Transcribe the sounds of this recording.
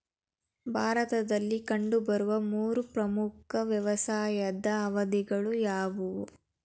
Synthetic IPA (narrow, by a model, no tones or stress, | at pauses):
bʱaːɾɐt̪ɐd̪ɐlːikɐɳɖubɐɾuʋɐmuːɾupɾɐmukʰɐʋjɐʋɐsaːjɐd̪ɐːʋɐd̪iɡɐɭujaːʋu